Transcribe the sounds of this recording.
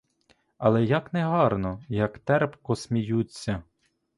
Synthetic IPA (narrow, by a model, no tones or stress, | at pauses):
ɐlˠɛjɐknɛɦɑrnɔjɐkt̪ɛrpkɔsmʲijut͡sʲːɐ